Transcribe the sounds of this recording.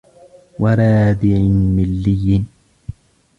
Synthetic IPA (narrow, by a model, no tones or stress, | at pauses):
waɾˤaːd̪ɪʕɪmɪlːɪjːɪn